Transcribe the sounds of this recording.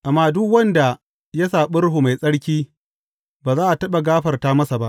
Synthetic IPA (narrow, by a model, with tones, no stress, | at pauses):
ʔa˨mːaː˦dʊ˦kwɐ˦nda˨ | ja˦saː˨ɓʊ˦ɽɦu˨ma˨jsʼɐ˦ɽkʲiː˦ | baː˨zaː˦ʔa˨tɐ˦ɓa˨ɡaː˦ɸɐ˨rta˦mɐ˦sa˨ba˦ʔ